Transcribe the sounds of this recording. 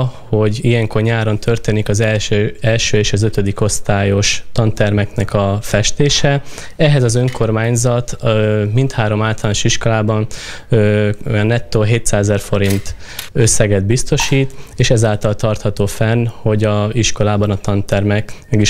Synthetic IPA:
ho̞ɟijɛŋko̞rɲaːɾo̞nt̪ʰø̞rt̪eːnikɒzɛlʃøːɛlʃøːeːʃɒzøt̪ød̪iko̞st̪aːjo̞ʃt̪ɒnt̪ɛrmɛknɛkɒfɛʃt̪eːʃɛ | ɛɦɛzɒzø̞ŋko̞rmaːɲzɒt̪mint̪haːɾo̞maːlt̪ɒlaːnoʃiʃko̞laːbɒnøo̰jɒnːɛt̪ːoɦeːt̪saːzɛrfo̞ɾint̪ | ø̞sːɛɡɛd̪̚bist̪o̞ʃiːt̪eːʃɛzaːlt̪ɒlt̪ɒrt̪hɒt̪oːfɛnho̞ɟɒiʃko̞laːbɒnɒt̪ɒnt̪ɛrmɛkmɛɡiʃ

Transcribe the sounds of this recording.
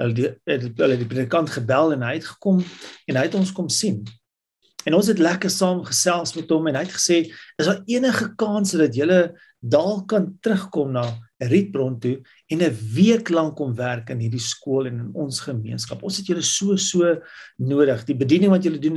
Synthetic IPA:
ɦəldɛtələɛt̚dipriədikɐntχəbælˠɛnɦəjɛtχə̥kɔmɛnɦəjətɔnskɔmsin | ɛnɔns̬ɦɛtlækərsɑːmχəsælˠsmɛtɔmɛnɦəjətχə̥seːəsdɑiənəχəkɑːnsədɐtjələ | dɑːlˠkɐntrəχkɔmnɑːrit̚brɔntu | ɛnəviəklɐŋkɔmværkənɦirdiskuəlɛnənɔ̰nsχəmiənskɐpɔnsɦɛtjələsuəsuənuəɾəχdibədinəŋvɐtjələdun

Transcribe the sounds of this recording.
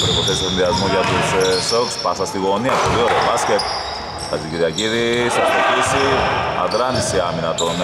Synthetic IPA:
pɾoipoθesesinðiɐzmuʝɐt̪ussokspɐsɐst̪iɣoniɐpolioɾeobasket̪ | ɐsiciɾiɐciɾisɐst̪opisiɐ̰ðɾɐnisiɐminɐt̪on

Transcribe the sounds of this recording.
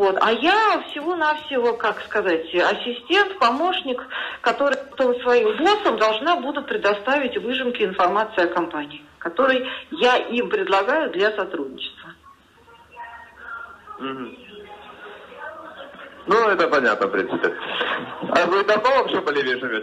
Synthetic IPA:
vo̞t̪a̰jafsʲɪvunafsʲɪvokakskɐzatʲɐsʲɪsʲtʲe̞nt̪pɐmo̞ʂnʲɪkːɐt̪o̞ɾɨjpɐt̪o̞msvɐimvosəmd̪ɐlˠʐnabud̪ʊpɾʲɪd̪ɐst̪avʲɪtʲvɨʐɨmkʲɪɪnfɐrmat̪sɨɪɐkɐmpanʲɪːkɐt̪o̞ɾɨjjaʔimpɾʲɪd̪lˠɐɡajʊd̪lʲasɐt̪ɾudʲnʲɪt͡ɕɪ̥st̪və | m̩ɦm̩ | nuɛt̪əpɐnʲa̰t̪̚nəfpɾʲinsɨpʲɪ | avɨɪt̪ɐmd̪ovɐpɕebəlʲɪvʲeʐɨmʲe

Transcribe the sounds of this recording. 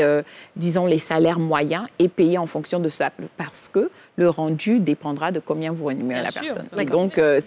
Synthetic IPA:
ød̪izɔ̃lesalɛʁmwajɛ̃epejeɑ̃fɔ̃ksjɔ̃d̪əsəlappaʁsə̥kə | ləʁɑ̃d̪yd̪epɑ̃d̪ʁad̪əkɔ̃bjɛ̃vuʁənumeʁela̰pɛ̰ʁsɔ̰nd̪ɔ̃kø

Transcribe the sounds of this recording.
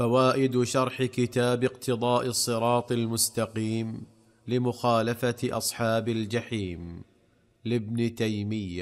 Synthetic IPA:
fawaːʔɪd̪ʃɑɾˤħɪkɪt̪aːbɪqt̪ʰɨðˤɑːʔɨsˤːɨɾˤɑːt̪ˤɪlmʊst̪ɑqiːm | lɪmʊxaːlafaʔɑ̰sˤħɑːbald͡ʒaħiːm | lɪbnt̪ajmɪjːa

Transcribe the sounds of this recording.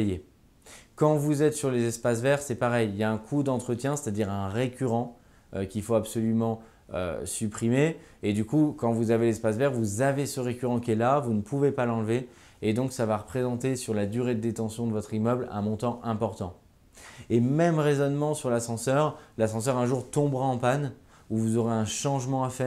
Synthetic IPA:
je | kɑ̃vuzɛt̪syʁlezɛspas̬vɛʁsɛpaʁɛjiljaɛ̃kʰud̪ɑ̃t̪χət̪jɛ̃se̥t̪ad̪iʁɛ̃ʁekʲyʁɑ̃ | kʲilfoapsɔlymɑ̃ | ø̰sypχime | ed̪ykukɑ̃vuzavelɛspasvɛʁvuzavesəʁekʲyʁɑ̃kʲiɛlavunəpʰuvepalɑ̃lve | ed̪ɔ̃ksavaʁəpχezɑ̃t̪esyʁlad̪yʁed̪əd̪et̪ɑ̃sjɔ̃d̪əvɔt̪χimœblɛ̰̃mɔ̃t̪ɑ̃ʔɛ̃pɔʁt̪ɑ̃ | emɛmʁezɔnmɑ̃syʁlasɑ̃sœʁlasɑ̃sœʁɛ̃ʒuʁt̪ɔ̃bʁaɑ̃pan | uvuzɔʁeɛ̃ʃɑ̃ʒmɑ̃afɛʁ

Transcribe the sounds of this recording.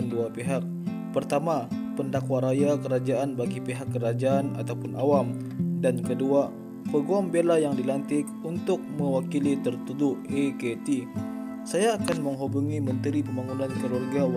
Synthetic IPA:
nduapeɦak̚ | pərt̪amapəndakwaɾajakəɾad͡ʒaʔanbaɡipiɦakːəɾad͡ʒaana̰t̪awpʊnʔawam | dankədua | pəɡuambelajaŋdilant̪ɪk | unt̪ʊk̚məwakilit̪ərt̪udʊeket̪i | sajaːkanməŋɦobuŋimənt̪əɾipəmbaŋunankəɾɔrɡaw

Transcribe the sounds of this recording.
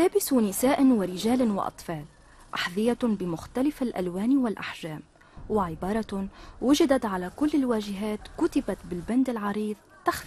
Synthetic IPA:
laːbɪsunɪsaːʔnwɪɾɪʒaːlwɪ̰ʔɑ̰t̪ˤfɑːl | ʔaħðɪjabɪmʊxt̪alɪfalʔa̰lwaːnwɪlʔaħʒaːm | wɪʕɪbɑːɾˤɑwʊʒɪd̪at̪ʕalakʊlːɪlwaːʒɪɦaːt̪kʊt̪ɪbat̪bɪlband̪ɪlʕɑɾiːðˤt̪axf

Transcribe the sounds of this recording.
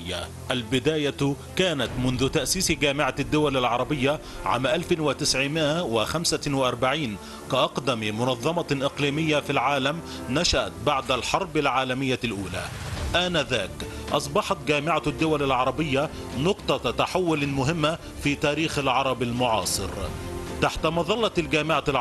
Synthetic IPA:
jːa̰ | ʔalbɪd̪aːja | kaːnat̪mʊnðʊt̪aʔsiːsɡaːmɪʕad̪ːʊwalalʕɑɾˤɑbɪjːa | ʕa̰ːmʔalfɪnwɪt̪ɪsʕɪmɪʔawɪxamsawɪʔɑɾˤbaʕiːn | kaʔɑqd̪ammʊnɑðˤːɑmɑʔɪqliːmɪjːafilʕaːlam | naʃaʔat̪̚baʕd̪alħɑɾˤbɪlʕaːlamɪjːalʔuːla̰ʔanaðaːk | ʔɑsˤbɑħɑt̪ɡaːmɪʕad̪ːʊwalalʕɑɾˤɑbɪjːa | nʊqt̪ˤɑt̪aħawːʊlmʊɦɪmːa | fiːt̪aːɾiːxalʕɑɾˤɑbalmʊʕɑːsˤɨ̰ɾt̪aħt̪amɑðˤɑlːɑlɡaːmɪʕa

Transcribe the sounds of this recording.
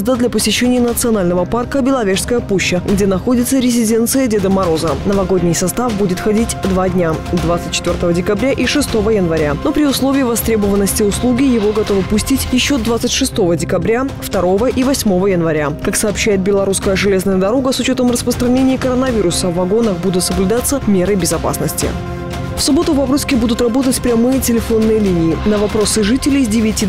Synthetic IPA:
zd̪əd̪lʲɐpəsʲɪɕːenʲɪjənət̪sɨɐnalʲnəvəparkəbʲɪlˠɐvʲeʂskəjəpuɕːəɡdʲenɐxo̞dʲɪt̪səɾʲɪzʲɪdʲe̞nt̪sɨjədʲed̪əmɐɾo̞zənəvɐɡo̞dʲnʲɪjsɐst̪afbudʲɪt̪xɐdʲitʲd̪vadʲnʲad̪vat̪sɨt̚ʲt͡ɕːɪt̪vʲo̞rɾt̪əvədʲɪkɐbɾʲaʔiʂɨst̪o̞vəjənvɐɾʲano̞pɾʲɪʊslˠo̞vʲɪːvɐst̪ɾʲebəvənːəsʲtʲɪʊslˠuɡʲɪjɪvo̞ɡɐt̪o̞vəpʊsʲtʲitʲjɪɕːo̞d̪vat̪sɨtʲʂɨst̪o̞vədʲɪkɐbɾʲaft̪ɐɾo̞vəʔivɐsʲmo̞vəjənvɐɾʲakaksɐːpɕːæjɪt̪̚bʲɪlˠɐɾuskəjəʐɨlʲe̞znəjəd̪ɐɾo̞ɡəsʊt͡ɕo̞t̪əmrəspɾəst̪ɾɐnʲenʲɪjːkəɾənɐvʲiɾʊsəvːɐɡo̞nəxbud̪ʊt̪səblʲʉd̪at̪sːəmʲe̞ɾəjbʲɪzɐpa̰snəsʲtʲɪ̰ | fsʊbo̞t̪ʊvɐbɾusʲkʲɪbud̪ʊt̪rɐbo̞t̪ətʲpɾʲɛmɨjətʲɪlʲɪfo̞nːɨjəlʲinʲɪɪnəvɐpɾo̞sɨʐɨtʲɪlʲɪjzʲdʲɪvʲɪtʲi

